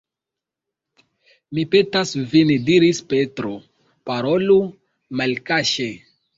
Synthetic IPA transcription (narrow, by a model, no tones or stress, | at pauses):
mipetasvindiɾispetɾo | paɾolu | malkaʃe